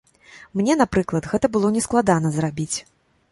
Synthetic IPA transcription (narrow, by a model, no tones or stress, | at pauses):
mnʲɛn̪apɾɨklˠɐt̪ɣɛt̪ɐbɨlˠɔnʲɛsklˠad̪anɐzrabʲit͡sʲ